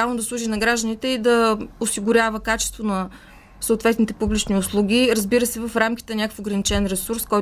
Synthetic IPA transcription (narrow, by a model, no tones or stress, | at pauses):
avlˠnod̪ɐslˠuʒinɐɡɾaʒd̪ənit̪ɛid̪ɐʊsiɡʊɾʲjavəkat͡ʃɛ̥st̪vonɐ | soːt̪vɛt̪nit̪ɛpublʲit͡ʃniʊslˠuɡʲiɾəzbiɾəsɛvɐfɾamk̟ʲi̥t̪ɛnʲakəfoɡɾənit͡ʃɛnɾɛsuɾskɔj